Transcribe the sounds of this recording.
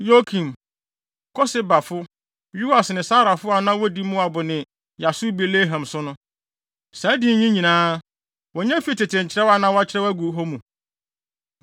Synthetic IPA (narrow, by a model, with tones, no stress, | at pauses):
jo˦kʰĩ˨m | kʰɔ˦sɪ˦ba˨fʊ˦ | ju˦a˨snɪ̃˨saː˦ɾa˨fʊ˦a˨nã˦wɔ˦di˦mʊ̃˦a˨bʊ˨nɪ̃˨ | ja˨su˦be˨le˦ɦã˨msʊ˦nʊ̃˦ | sã˨˦dɪ˨˦ɲĩ˦ɲĩ˨nãː˦ | wɔ˨ɲɛ̃˦fi˦˨tɪ˨tɪ̃˨ɲ˨t͡ɕʰɪ˨ɾɛ˦wa˦nã˦wɔ˦a˦t͡ɕʰɪ˦ɾɛ˦wæ˦ɡu˨˦ɦo˦mũ˨